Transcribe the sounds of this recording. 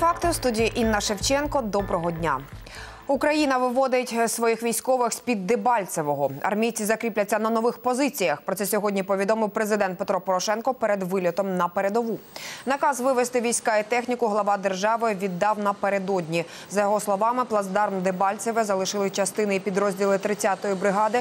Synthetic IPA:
fɑkt̪ɪwst̪udʲijiʔinːɐʃewt͡ʃɛnkɔd̪ɔbɾɔɦɔdʲnʲa̰ | ukɾɐjinɐʋɪʋɔd̪ɪtʲsʋɔjixʋʲijsʲkɔʋɪxsʲpʲid̪ːɪbɑlʲt͡s̪ʲeʋɔɦɔɐ̰rmʲijt͡sʲizɐkɾʲiplʲɐt͡sʲːɐnɐnɔʋɪxpɔzɪt͡sʲijɐxpɾɔt̪ɛsʲɔɦɔdʲnʲipɔʋʲid̪ɔmɪwpɾezɪd̪ɛnt̪̚pet̪ɾɔpɔɾɔʃɛnkɔpeɾed̪ʋɪlʲɔt̪ɔmnɐpeɾed̪ɔʋunɐkɑzʋɪʋest̪ɪʋʲijsʲkɑit̪ɛxnʲikʊɦlˠɐʋɑd̪erʒɑʋɪʋʲid̪ːɑwnɐpeɾed̪ɔdʲnʲi | zɐjɔɦɔslˠɔʋɑmɪplˠɐzd̪ɑrmd̪ɪbɑlʲseʋɪzɐlˠɪʃɪlˠɪt͡ʃɐst̪ɪnɪipʲid̪ɾɔzʲdʲilˠɪt̪ɾɪt͡sʲːat̪ɔjibɾɪɦɑd̪ɪ

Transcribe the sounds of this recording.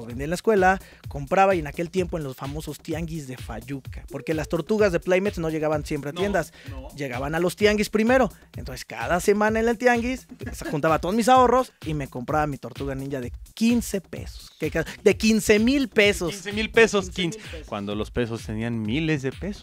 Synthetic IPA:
βend̪iaenlaeskwe̞la | ko̞mpɾaβaenake̞lt̪je̞mpo̞enlo̞sfamo̞so̞st̪jaŋɡizðe̞fa̰ʝukḁpo̞ɾkelast̪o̞ɾt̪uɣazðe̞plajmet̪sno̞ʝe̞ɣaβansjempɾe̞at̪je̞nd̪asʝe̞ɣaβanalo̞st̪jaŋɡispɾime̞ɾo | ent̪onse̥ska̰ðase̞mãnaenelt̪jaŋɡisxunt̪aβat̪oðozmis̬ao̞ro̞sime̞ko̞mpɾaβamit̪o̞ɾt̪uɣanĩɲʝaðe̞kinsepḛso̥skekad̪ekinse̞milpesosmilpesoskinsekwa̰nd̪olospe̞sost̪enianmilezðepeso̥

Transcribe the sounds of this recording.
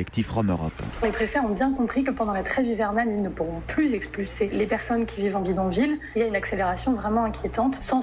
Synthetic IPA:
ɛkt̪ifʁɔmø̰ʁɔ̰plepχefɛɔ̃bjɛ̃kɔ̃pχikəpɑ̃d̪ɑ̃lat̪χɛvivɛʁnanilnəpuʁɔ̃plyzɛkspylselepɛʁsɔnkʲʰivivɑ̃ɡid̪ɔ̃vililjaynakseleʁasjɔ̃vʁɛmɑ̃ɛ̃kʲʰjet̪ɑ̃t̪sɑ̃

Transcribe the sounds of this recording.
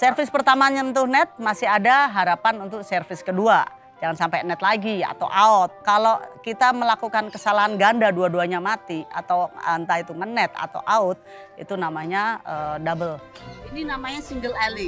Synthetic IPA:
sərfɪspərt̪amaɲant̪ʊhnɛt̪̚masɪɦadaɦaɾapanunt̪ʊk̚sərfɪskədua | d͡ʒaŋansampajnɛt̪̚laɡia̰t̪a̰wʔaʊt̪̚kalokit̪aməlakukankəsalaɦanɡandaduaduaɲamat̪ia̰t̪awant̪ait̪uŋənɛt̪a̰t̪a̰wʔaʊt̪̚ | ḭt̪unamaɲaədabəlininamaɲasiŋɡəlɛli

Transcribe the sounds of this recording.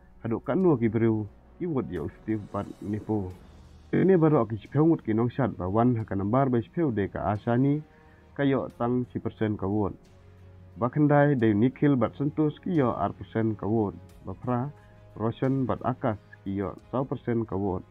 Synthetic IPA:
hadɔʔkaʔnuək̬ibɾiw | kiwut̚jɔ̰wst̪ifbat̪̚nipuw | tenɛbaɾɔʔk̬isi̥pʰewŋut̪̚kinɔŋʃat̚bawanɦakanambaɾbajsi̥pʰewdejka̰ʔasani | kajɔʔtaŋsipəɾsɛnkawɔt̚ | bakʰandajdejnikʰːilbat̪̚santuskijɔʔa̰ɾpəɾsɛnkawɔt̚bapʰɾa | ɾɔsɔnbata̰kaskijɔ̰ʔsawpəɾsɛnkawɔt̚

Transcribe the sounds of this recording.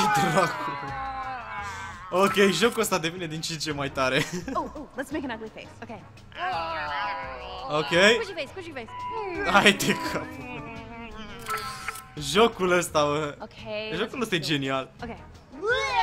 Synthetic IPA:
t̪ɾakul | okʲe̞jʒo̞kuəst̪ad̪e̞vine̞d̪int͡ʃint͡ʃemajt̪aɾeoolətsmeɪkə̃nɐɡlifesokʰeɪ | okʲejeskut͡ʃivesajd̪ekʰap | ʒokuləst̪aəokʰeʒo̞kuləst̪ajed͡ʒe̞nialoke

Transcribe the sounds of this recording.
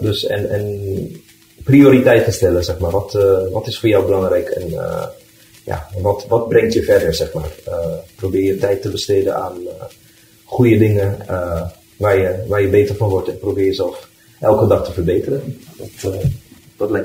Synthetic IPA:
døsɛ̰nɛn | prioːɾitɛjtənstɛləzɛxmaːrʋɔtʋɔtɪsfoːjɔwbəlɑŋrɛjkʰɛ̰nə̰ | ja̰ʋɔtʋɔt̚brɛŋtjəfɛrdəɹzɛxma̰ːrəprobɪːjətɛjtəbəsteːdənaːn | xujədɪŋəə | ʋaːrjəʋaːrjəbeːtərfɔnʋɔrtɛnprobɪːjəzɛlˠf | ʔɛ̰lˠkədɑxtəfərbeːtərəʋɔt | ʋɔtlɛ

